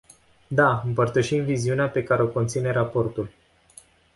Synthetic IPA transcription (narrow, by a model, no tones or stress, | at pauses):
d̪aɨmpərt̪əʃimviziuneape̞kaɾeo̞ko̞nt̪sine̞ɾapo̞rt̪ul